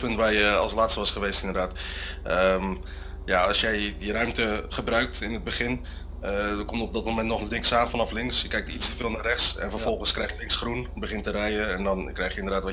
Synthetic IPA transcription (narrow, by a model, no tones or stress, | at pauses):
pɵntʋaːɹjəɑ̰lˠslaːtstəʋɑsχəʋejstɪndərdaːtəm | jaɑlˠsjɛjdirœɥmtəχəbrœɥk̚tɪnəd̚bəχɪn | əkɔmtɔp̚dɔt̚momɛntnɔχnɪksaːnfɑnɑflɪŋsjəkːɛjk̚tistəvɪːlˠnaːrɛχtsɛ̰nfərvɔlˠχənskrɛjxjəlɪŋsχrunbəχɪntərɛjəɛndɑnkrɛjχjəɪndərdaːtʋɑ